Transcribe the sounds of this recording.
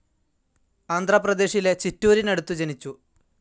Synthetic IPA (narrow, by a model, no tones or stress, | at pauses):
aːnd̪ʱrɐprɐd̪e̞ːɕile̞t͡ɕitːuːɾinɐɽut̪ːud͡ʑenit͡ɕːu